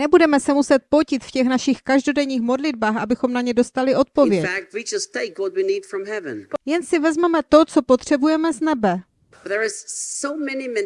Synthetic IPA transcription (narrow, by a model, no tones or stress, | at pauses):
nɛbudɛmɛsɛmusɛt̪̚pocɪt̪fcɛxnaʃɪxkaʒdo̞dɛɲiːxmo̞dlɪdbaːxʔabɪxo̞mnaɲɛdo̞st̪alɪʔo̞t̪̚põ̞vjɛfæk̚t̚wid͡ʒʌstʰeɪkwʌt̚winid̥fɹʌ̃mhɛvɨ̰̃njɛnsɪvɛzmɛmɛt̪o̞t͡so̞po̞t̪r̝̥ɛbujɛmɛznɛbɛ | bðə˞ɪz̥soʊmɛnim